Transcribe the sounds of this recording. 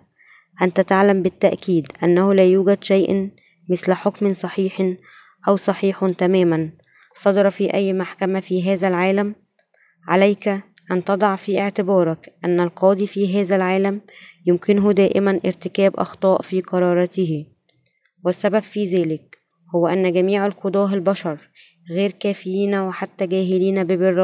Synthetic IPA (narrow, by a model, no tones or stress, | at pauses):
ʔænt̪æt̪aʕlæmbɪt̪ːaʔkiːd̪ʔænːæhʊlæːjuːɡæd̪ʃæjʔ | mɪθlħokmnsˤɑħiːħ | ʔæwsˤɑħiːħt̪æmæːmæn | sˤɑd̪ɑɾˤfiːʔæjːmaħkæmæfiːɦæːzælʕaːlæm | ʕalæjk | ʔænt̪ɑd̪ˤɑʕfiːʔɪʕt̪ɪbɑːɾˤɑkʔænːælqʰɑːd̪ˤifiːɦæːzælʕaːlæmjʊmkɪnʊɦd̪æːʔɪmænʔɪ̰ɾt̪ɪkæːbʔɑ̰xt̪ˤɑːʔfiːqɑɾˤɑːɾˤɑːt̪ɪhɪ | wɪsːæbæbfiːzæːlɪk̚ | howːæʔænːɡæmiːʕalqod̪ˤɑːʔɪlbæʃɑɾˤ | ɣeːɾkæːfɪjiːnæweħat̪ːæɡæːɦɪliːnæbɪbɪrːɑː